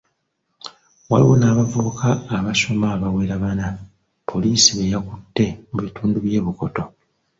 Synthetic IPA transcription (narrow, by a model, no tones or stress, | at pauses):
wa̰lḭwo̞̰naːβavuβukʰaːβaso̞maːβawe̞ːɾaβana | pʰo̞liːsiβejakutːe̞muβituːnduβje̞ːβuko̞to̞